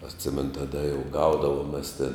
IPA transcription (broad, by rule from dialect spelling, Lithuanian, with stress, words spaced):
ɐtʲˈsʲɪmʲɛnʊ tɐˈdɐ jɛʊ ˈɡɐʊdɐʋoːm mʲɛs tʲɪn